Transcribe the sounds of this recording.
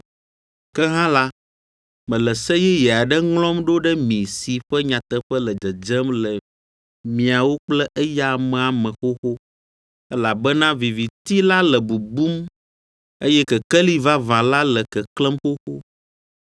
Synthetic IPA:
kɛ˦ɦã˦la˦ | mɛ̃˨lɛ˨sɛ˦jɛ˦jɛ˨a˨ɖɛ˦ŋlɔ̃˦mɖo˦ɖɛ˦mĩ˨si˨ɸɛ˦ɲã˨t̪ɛ˦ɸɛ˦lɛ˨d͡ʒɛ˨d͡ʒɛ˦mlɛ˨ | mĩ˨a˨wo˦k͡plɛ˦ʔɛ˦ja˦mɛ̃˨a˨mɛ̃˨xo˦xo˦ | ɛ˦la˨bɛ˦nã˦vi˨vi˨t̪i˦la˦lɛ˨bu˨bu˦m | e˦jɛ˦kɛ˨kɛ˦li˦va˦vã˨la˦lɛ˨kɛ˨klɛ̃˦mxo˦xo˦

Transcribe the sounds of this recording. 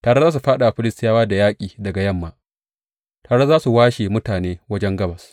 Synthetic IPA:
taː˨ɽe˦zaː˦s̬u˨ɸaː˦ɗa˨ʔa˨ɸɪ˦lɪ˦stɪ˦jaː˦waː˦da˨jaː˦kʲʼiː˨dɐ˨ɡa˨jɐ˦mːaː˦ | taː˨ɽe˦zaː˦su˨waː˦ʃe˨mʊ˦taː˨neː˦wɐ˦d͡ʒɛ˦ŋɡɐ˦bɐ˨s

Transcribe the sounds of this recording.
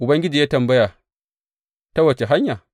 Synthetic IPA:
ʔʊ˨bɐ˦ŋɡʲɪ˦d͡ʒi˨jaː˦tɐ˨mbɐ˦ja˨ | ta˦wɐ˨t͡ʃe˨ɦa˦ɲja˨

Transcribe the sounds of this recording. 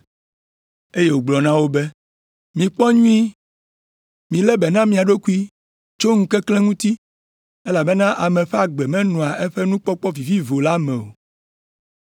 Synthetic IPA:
e˦je˦˨wo˨ɡ͡blɔ˨nã˦wo˦bɛ˦ | mĩ˨k͡pɔ˦ɲũ˦i˦ | mĩ˨lɛ˦bɛ˨nã˦mĩ˨a˨ɖo˦ku˦i˦ | t͡ʃo˦ŋ̩̃˦kɛ˦klɛ̃˦ŋũ˦t̪i˦ | e˦la˨bɛ˦nã˦ʔa˨mɛ̃˨ɸɛ˦a˨ɡ͡bɛ˨mɛ̃˦nɔ̃˨a˨ʔe˦ɸɛ˦nũ˦k͡pɔ˦k͡pɔ˦vi˨vi˦vo˨la˦mɛ̃˨o̰˨

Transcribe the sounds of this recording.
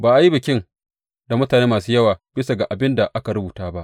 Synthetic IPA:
baː˨ʔa˨ji˦bɪ˨kʲɪ˦ŋ | da˨mʊ˦taː˨neː˦maː˨suː˦jɐ˦waː˨b̥ɪ˦sa˨ɡa˨ʔa˨bɪ˦nda˨ʔa˦ka˨ɾʊ˦buː˨taː˦ba˦ʔ

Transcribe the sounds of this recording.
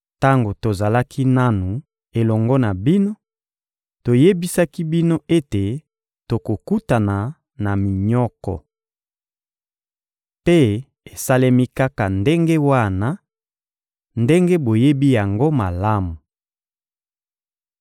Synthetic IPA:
ta˦ŋɡo˨to˨za˨la˦kʰi˦na˦nu˨ | e˨lɔ˨ŋɡɔ˦na˨bi˦no˦ | to˨je˦bi˦sa˦ki˦bi˦no˦e˦te˨ | to˨ko˨ku˦ta˨na˨ | na˨mi˨ɲɔ˦kɔ̰˨ | pe˦ | e˨sa˦le˦mi˦ka˦ka˨nde˦ŋɡe˦wa˦na˦ | nde˦ŋɡe˦bo˨je˦bi˦ja˨ŋɡo˦ma˨la˦mu˨

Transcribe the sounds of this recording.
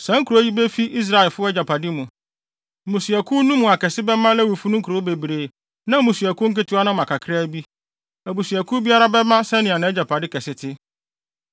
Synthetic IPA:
sã˦ŋ̩˦kʰu˨ɾo˦ji˦bɛ˦fi˦ʔi˦s̬ɾa˦ɛ˨lfʊ˦ɛ˦d͡ʑa˨pʰa˨dɪ˦mũ˨ | mũ˨su˨æ˨kʰʊ˦nũ˦mũ˨a˨kɛ˨sɪ˦bɛ˦mã˦lɛ˦wu˨fu˦nʊ̃˦ŋ̩˦kʰu˨ɾo˨˦be˨bɾe˨ | nã˦mũ˨su˨æ˨kʊ˦ŋ̩˦kɪ˦tʰʊ˨˦a˦nã˦˨ã˨kʰa˨kʰɾa˦bi˦ | æ˨bu˨sɥæ˨kʰʊ˦bi˦a˦ɾa˦bɛ˦mã˦sɛ˦nɪ̃˨a˨nã˦ɛ˦d͡ʑa˨pʰa˨dɪ˦kʰɛ˨sɪ˦tʰɪ˦

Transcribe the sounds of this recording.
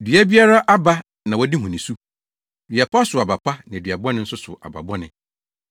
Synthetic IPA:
dɥæ˦bi˦a˦ɾa˦ʔa˦ba˦ | nã˨wɔ˦di˦ɦũ˨nɪ̃˨su˦ | dɥa˨pʰa˦sʊ˨a˨ba˨pʰa˦nã˨dɥa˨bɔ˦nɪ̃˦n̩˦sʊ˦sʊ̰˨a̰˨ba̰˨bɔ˦nɪ̃˨

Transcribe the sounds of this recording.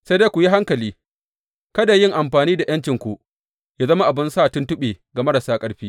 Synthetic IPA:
sa˦de˦kʷʊ˨ji˦ɦa˦ŋkɐ˨liː˦ | kɐ˦da˨jɪ˦˨ŋʔa˨mɸaː˨niː˦da˨jɐ˦nt͡ʃɪ˨ŋkʷu˨ʔ | jaː˦zɐ˦ma˦ʔa˨bɪ˦nsaː˦˨tʊ˦ntʊ˦ɓeː˨ɡa˨mɐ˦ɽɐ˨saː˦kʼɐ˦ɽɸiː˦

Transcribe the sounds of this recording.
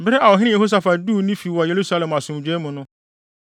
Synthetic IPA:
bɪ˦ɾɛ˦ʔa˨wɔ˨ɦɪ̃˦nɪ̃˦je˨ho˦s̬a˦fa˨du˦˨˦nĩ˦fi˨wɔ˨je˨ɾu˦sa˦lɛ̃˨ma˨sʊ̃˨d͡ʑᶣe˦mũ˨nʊ̃˦

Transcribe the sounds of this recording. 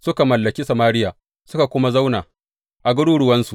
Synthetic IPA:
sʊ˦ka˨mɐ˨lːɐ˨kʲi˦sɐ˨maː˦ɽɪ˦jaː˨ | sʊ˦ka˨kʷʊ˦ma˦za˦wnaː˨ | ʔa˨ɡʊ˦ɽuː˦ɽʊ˨wɐ˦nsu˨

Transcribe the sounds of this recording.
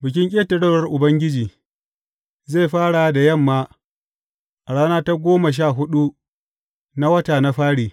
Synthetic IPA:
bɪ˨kʲɪ˦ŋkʲʼeː˦tɐ˨ɽɐ˦˨ɽɐ˦rʔʊ˨bɐ˦ŋɡʲɪ˦d͡ʒiː˨ | ze˦˨jɸaː˦ɽa˨da˨jɐ˦˨mːaː˦ | ʔa˨ɽaː˦naː˦ta˦ɡʷoː˦ma˨ʃ̬aː˦˨ɦʊ˦ɗu˦ | na˦wɐ˦taː˨na˦ɸaː˦ɽiː˨

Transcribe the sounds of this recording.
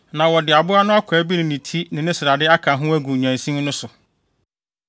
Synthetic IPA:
nã˨wɔ˨dɪ˨a˨bʊ˦a˦nʊ̃˦a˦kʷʰɛː˨˦bi˦nɪ̃˨nɪ̃˨tʰi˦nɪ̃˨nɪ̃˦sɪ˨ɾa˨dɪ˦a˦kʰa˨ɦʊ̃˦æ˦ɡu˨ɲæ̃˨sĩ˦m˦nʊ̃˦sʊ˨

